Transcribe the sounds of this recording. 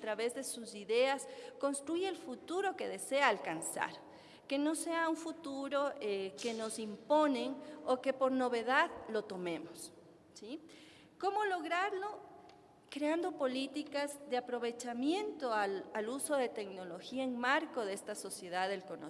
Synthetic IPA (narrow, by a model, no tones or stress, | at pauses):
at̪ɾaβe̞zðe̞susiðe̞askonst̪ɾujelfut̪uɾo̞ke̞ðe̞se̞aːlkansa̰ɾ | ke̞no̞se̞auɱfut̪uɾo̞eke̞no̞simpo̞neŋoke̞po̞ɾno̞βe̞ðaðlo̞t̪o̞mẽ̞mos | si | ko̞mo̞lo̞ɣɾaɾlo̞ | kɾeand̪o̞po̞lit̪ikazðe̞apɾo̞βe̞t͡ʃamje̞nt̪o̞alaluso̞ðe̞t̪e̞kno̞lo̞xiaeŋmaɾko̞ðeest̪aso̞sje̞ðaðe̞lkono̰